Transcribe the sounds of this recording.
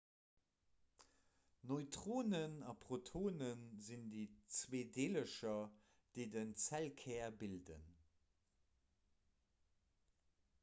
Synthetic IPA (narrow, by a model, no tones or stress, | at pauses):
noɪtʁoːnənɑpʁotʰoːnənzindit͡sveːdeːləʃɐ | d̥eɪdənt͡sælkʰɛːɐbildə̰n